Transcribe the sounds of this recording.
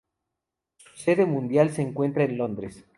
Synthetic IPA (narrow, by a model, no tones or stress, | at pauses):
su̥se̞ðemũnd̪jalseːŋkwe̞nt̪ɾaenlo̞nd̪ɾes